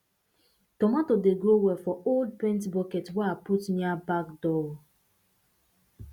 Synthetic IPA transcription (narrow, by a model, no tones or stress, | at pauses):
tɔmatodeɡɹowɛfɔold̚pɛ̃ntbɔkɛtwɛaputmiabakdɔl